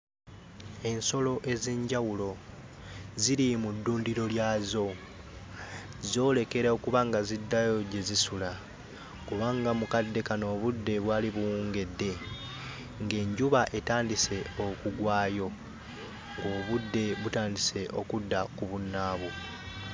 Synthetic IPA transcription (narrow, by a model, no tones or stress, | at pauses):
e̞nso̞lo̞ʔe̞zeːɲɟawulo̞ | ziɾimudːuːndiɾo̞ljaːzo̞ | zo̞ːle̞ke̞ɾaokuβaŋɡazidːajo̞ɟe̞zisula | kuβaŋɡamukadːe̞kano̞ːβudːe̞βwaːliβuwuːŋɡe̞dːe̞ | ŋɡe̞ɲɟuβaʔe̞taːndise̞okuɡwaːjo̞ | ŋɡo̞ːβudːe̞βutaːndise̞ʔo̞̰kudːakuβunːaːβu